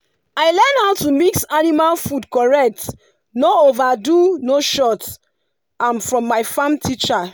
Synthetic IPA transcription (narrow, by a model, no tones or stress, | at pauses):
aɪlɛnhatumiksanimalfudkɔɹɛk̚t | noovadunoʃɔt | ãnfɹɔ̃mːaɪfãmtʰit͡ʃa